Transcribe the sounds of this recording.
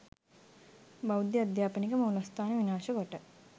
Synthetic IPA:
bawd̪jəad̪jaːpənikəmɐwlast̪aːnəʋinaːʃəkoʈə

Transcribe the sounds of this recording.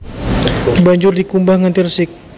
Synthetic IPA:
baɲd͡ʒʊrdikumbahŋant̪irsɪk̚

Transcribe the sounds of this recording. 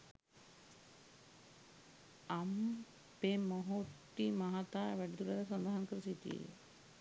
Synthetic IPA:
am | pemoɦoʈːimaɦat̪aːʋæɖit̪ulaɾɐsɔnd̪aɦankəɾusit̪ḭ

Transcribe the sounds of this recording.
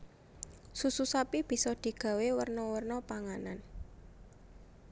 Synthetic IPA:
sususapib̥i̤sɔd̪̥i̤ɡ̥ä̤wewərnɔwərnɔpaŋanan

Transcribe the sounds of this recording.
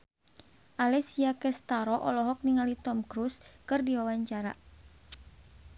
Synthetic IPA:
ʔalɛsiakɛst̪aɾɔʔɔlɔɦɔk̚niŋalit̪ɔmkɾuskɨrdiwawaɲt͡ʃaɾa̰

